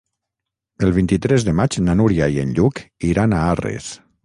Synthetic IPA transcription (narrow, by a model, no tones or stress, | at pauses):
əlˠβint̪it̪ɾezðəmat͡ʃnanuɾjaienʎukiɾanaarḛs